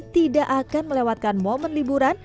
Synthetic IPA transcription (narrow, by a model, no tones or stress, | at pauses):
t̪idaʔakanməlewat̪̚kanmomənlibuɾan